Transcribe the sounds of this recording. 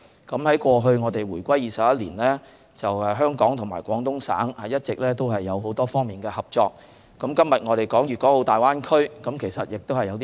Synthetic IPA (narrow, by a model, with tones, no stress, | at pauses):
kɐ˨˥mhɐ˨˥jkʷɔː˧ɦɵ˧ɥŋɔː˨˧t̪e˨jwuː˨˩jkʷɐ˥jːiː˨sɐ˨p̚jɐ˥t̚liː˨˩nlɛː˥ | t͡sɐ˨wɛː˨˧ɦœː˥ŋkɔː˨˥ŋt̪ʰʊ˨˩ŋmaː˨˩jkʷwɔː˨˥ŋt̪ʊ˥ŋsa̰ː˨˥ŋaː˨jɐ˥t̚t͡sɪ˨k̚lɛː˥t̪o˥wɦɐ˨jːɐ˨˧wɦo˨˥wt̪ɔː˥fɔː˥ŋmiː˨nkɛː˧hɐ˨p̚t͡sɔː˧k̚ː | ɐ˨˧˥mkɐ˥mjɐ˨t̚ŋɔː˨˧ɾe˨jkɔː˨˥ŋjyː˨t̚kɔː˨˥ŋho˨˥wt̪aː˨jwaː˥nkʰɵ˥ɥkɐ˨˥mkʰe˨˩jsɐ˨t̚jɪ˨k̚t̪o˥hɐ˨jɐ˨˧wt̪ː